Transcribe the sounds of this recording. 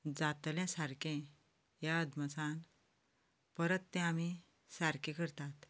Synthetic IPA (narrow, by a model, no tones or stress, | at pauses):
d͡zat̪ljãsaɾkẽ | jad̪mət͡san | pəɾət̪ːɛ̃ami | saɾkẽkəɾt̪at̪